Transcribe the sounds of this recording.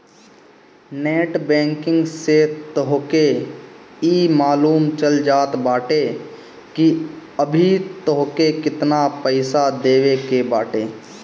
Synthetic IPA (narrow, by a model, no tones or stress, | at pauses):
neːʈbɛ̃ːŋkɪ̃ŋɡset̪əɦke | imaːluːmt͡ʃəld͡ʒaːt̪baːʈe | kiəbʱit̪oɦkekɪt̪napəɪsad̪eːʋekebaːʈeː